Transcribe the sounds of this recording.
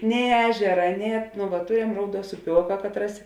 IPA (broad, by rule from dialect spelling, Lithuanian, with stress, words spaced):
nʲɛɪ ˈæːʒʲɛrɐ nʲɛɪ ɐt nʊ ʋɐt ˈtʊrʲɛm ˈrɐʊˌduɔs ʊˈpʲoːkɐ ˈkɑːtˌrɐs